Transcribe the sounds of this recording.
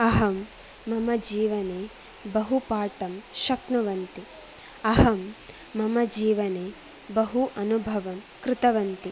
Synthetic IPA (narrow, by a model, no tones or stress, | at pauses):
ɐɦɐmː | ɐmɐd͡ʒiːʋɐneː | bɐɦupaːʈɐmʃɐkɳɐʋɐnt̪i | ɐɦɐmː | ɐmɐd͡ʒiːʋɐneː | bɐɦuʔɐnubʱɐʋɐm | kɾɪt̪ɐʋɐnt̪i